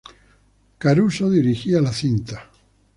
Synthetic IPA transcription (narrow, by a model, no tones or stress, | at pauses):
kaɾusoðiɾixialaθint̪a